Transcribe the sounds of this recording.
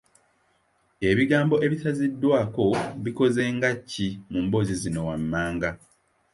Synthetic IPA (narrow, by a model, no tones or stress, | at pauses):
e̞βiɡaːmbo̞ʔe̞βitazidːwaːko̞βiko̞zeːŋɡacːimumbo̞zizino̞wamːaːŋɡa